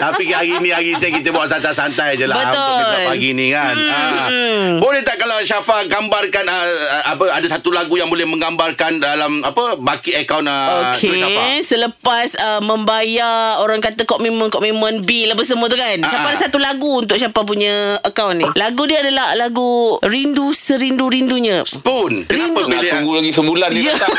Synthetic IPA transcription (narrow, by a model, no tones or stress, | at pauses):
t̪apikaɡinĩaɡisɲkit̪əbuaʔsant̪asant̪ajd͡ʒəlabət̪ʊalaɡinikanə | bolɛht̪aʔkalaʃafaɡambarkanəapəadasat̪ulaɡujaŋbolɛhmə̃ŋɡambarkandalamapəbakiəkawnəokeʃaasələpasəmə̃mbajaoɾaŋkat̪akɔʔmimə̃nkɔʔmĩmə̃nbilapəs̬əmuə̃t̪̬ukanʃapadasat̪ulaɡuunt̪ʊʔʃapap̬uɲə̃əkawnːilaɡudiəadalahlaɡuɾindusəɾinduɾinduɲə̃spunkəianpəbilulaɡisəmulanjə